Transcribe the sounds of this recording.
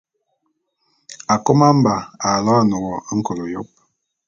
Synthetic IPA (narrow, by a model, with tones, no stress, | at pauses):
a˨ko˦ma˦m̩˦ba˨a˨lɔ˦a˦no˨ɣɔ˨˦ŋ̩˦ko˨lo˨jɔ˦p̚